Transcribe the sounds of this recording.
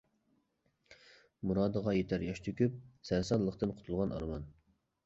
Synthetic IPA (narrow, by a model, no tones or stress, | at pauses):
muɾɑːd̪əʁɑjet̪ʰæɾjɑʃt̪ʰykʲyp̚sɛjsɑt̪lˠəqt̪ɨnqʰʊ̥t̪ʰulˠʁɑnɑ̰ɾmɑn